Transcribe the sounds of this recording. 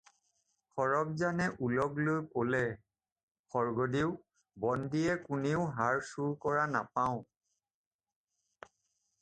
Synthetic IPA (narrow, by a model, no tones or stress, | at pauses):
xɔɹɔk̚zanɛʔulɔɡlojkolɛ | xɔɹɡɔdiʊ | bɔndijɛkuneʊɦaɹsuɹkɔɹana̰paʊ̃